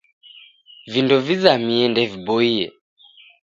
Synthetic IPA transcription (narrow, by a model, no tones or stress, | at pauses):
vindɔvizamiɛndɛvibɔiɛ̰